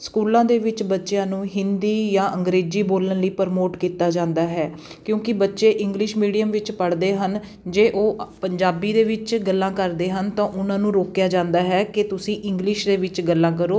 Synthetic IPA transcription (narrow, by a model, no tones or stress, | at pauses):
skuːlãːd̪eːʋɪt͡ʃbətːʃjãːnũːɦɪnd̪iːjãːʔə̃ŋɡɾeːziːboːlənləiːpəɾmoːʈkiːt̪aːd͡ʒãːnd̪aːɦɛː | kjõːkɪbətːʃeːʔɪ̃ŋɡlɪʃmiːɖijəmʋɪt͡ʃpəɽd̪eːɦən | d͡ʒeːʔoːpəɲd͡ʒaːbiːd̪eːʋɪt͡ʃɡəlːãːkəɾd̪eːɦənt̪ãːʔʊnãːnũːɾoːkjaːd͡ʒãːnd̪aːɦɛːkɪt̪ʊsĩːʔɪ̃ŋɡlɪʃd̪eːʋɪt͡ʃɡəlːãːk̬əɾoː